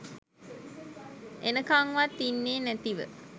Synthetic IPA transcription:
ʔenəkaŋʋat̪ːinːeːnæt̪iʋə̰

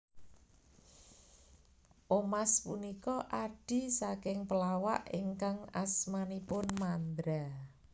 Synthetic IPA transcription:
ʔomaspunikɔʔaɖ̥i̤sakɪŋpəlawa̰ʔiŋkaŋasmanipʊnmand̪ɾa

